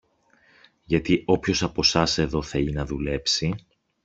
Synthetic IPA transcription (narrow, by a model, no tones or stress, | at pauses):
ʝɐt̪iʔo̞pço̞sɐpo̞sɐse̞ðo̞θɐinɐðule̞psi